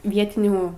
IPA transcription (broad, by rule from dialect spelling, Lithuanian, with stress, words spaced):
ˈʋʲiɛtʲɪnʲuː